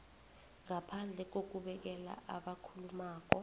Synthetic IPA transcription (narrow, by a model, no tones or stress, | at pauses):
ŋapʰand͡ɮʱɛk̬ok̬uɓɛk̬ɛla̰ʔaɓakʰulumaːk̬ɔ